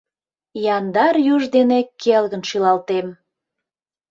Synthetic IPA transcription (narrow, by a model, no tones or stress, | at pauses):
jɑnd̪ɑrjuʒd̪enekelɣənʃilɑlt̪em